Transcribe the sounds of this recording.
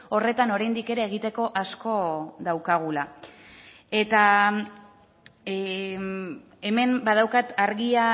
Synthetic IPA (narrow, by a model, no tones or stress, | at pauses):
o̞re̞t̪ano̞ɾajnd̪ike̞ɾeːɣit̪e̞ko̞ʔasko̞ðawkaɣ̞ula | e̞t̪a | e̞me̞mbað̞awkat̪aɾɣia